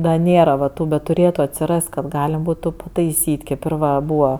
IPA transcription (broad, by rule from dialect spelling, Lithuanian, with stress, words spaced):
dɐ ˈnʲeːrɐ ʋɐ ˈtuː bʲɛt tʊˈrʲeːtʊ ɐtʲsʲɪˈrɐst kɐt ˈɡɑːlʲɛm ˈbuːtʊ pɐtɐɪˈsʲiːtʲ kʲeːp ɪr ˈʋɐ ˈbuːʋɐ